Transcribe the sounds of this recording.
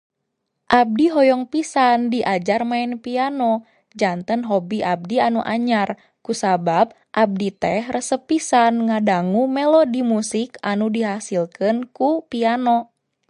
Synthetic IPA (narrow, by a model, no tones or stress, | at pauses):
ʔab̚diɦɔjɔŋpisandiʔad͡ʒarmaɛnpianɔ | d͡ʒant̪ənɦɔbiʔab̚dianuʔa̰ɲar | kusabab̚ | ʔab̚dit̪ɛhrəsəpisanŋadaŋumɛlɔdimusikanudiɦasilkɨnkupianɔ